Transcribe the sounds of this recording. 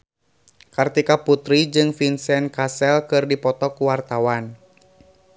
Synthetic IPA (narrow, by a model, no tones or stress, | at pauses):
kɨrt̪ikaput̪ɾid͡ʒɨŋfinsɛnkasɛlkɨrdipɔt̪ɔkuwart̪awan